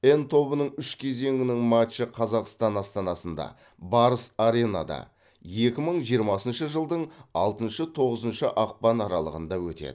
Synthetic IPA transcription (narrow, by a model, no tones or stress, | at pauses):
e̞nt̪ʰo̞bənəɴʏʃkʲʰe̞ze̞ŋɪnɪŋmat̪t͡ʃəqʰɑzɑqst̪ɑnɑst̪ɑnɑsənd̪ɑ̰ | bɑɾəsaɾe̞na̰d̪ɑ̰ | je̞kʲɪməɴʒijəɾmɑsənʃəʒəlˠd̪əɴɑlˠt̪ənʃət̪ʰo̞ʁəzənʃəʔɑq̚pɑnɑɾɑlˠəʁənd̪ɑwɵt̪ḛd̪ɪ